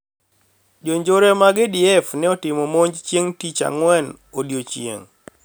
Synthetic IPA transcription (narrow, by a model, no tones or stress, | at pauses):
d͡ʒoɲd͡ʒoɾɛmaɡɛdiɛfnɛɔtɪmɔmoɲd͡ʒt͡ʃjeŋtit͡ʃa̰ŋwɛn | odjot͡ʃjḛŋ